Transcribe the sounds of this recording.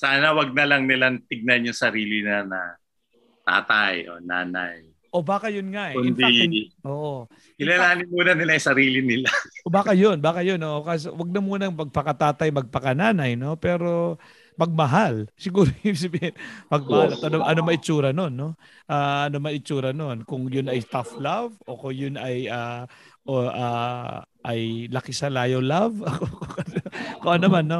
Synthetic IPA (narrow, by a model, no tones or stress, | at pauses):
saːnɐwɐɡ̚nɐlɐŋnɪlaŋt̪ɪɡ̚nɐnjʊŋsɐɾiːlɪnɐnɐ̰ | t̪a̰ːt̪ajʔo̰na̰ːna̰j | ʔo̞baːkɐjʊnŋaʔɛʊnd̪iʔoːʔo | ɪlalaːnɪnmuːnɐnɪlajsɐɾiːlɪnɪlaobaːkɐjonbaːkɐjonʔoʔokaːs̬o̰wɐɡ̚nɐmuːnɐŋmɐɡ̚pɐkɐt̪aːt̪ɐjmɐɡ̚pɐkɐnaːnɐjno̞pɛːɾo̞ | pɐɡ̚mɐɦalsɪɡuːɾosabihɪnpɐɡ̚mɐhalɐt̪ʔɐnoʔɐnomɐʔɪt͡ʃuːɾɐno̞nːo̞ | ʔaːʔɐnomɐʔɪt͡ʃuːɾɐno̞nkʊŋjʊnɐjst̪aflavo̞kʊŋjʊnɐjaʔoʔa | ʔɐ̰jlɐkɪsɐlaːjɐwlavɐkokokɐkoʔonːɐmanːo